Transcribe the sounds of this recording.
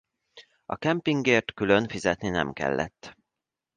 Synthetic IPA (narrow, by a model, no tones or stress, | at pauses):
ɒ̰kɛmpiŋɡeːrt̪kylø̞nfizɛt̪ninɛ̰mkɛ̰lːʔɛ̰t̪ː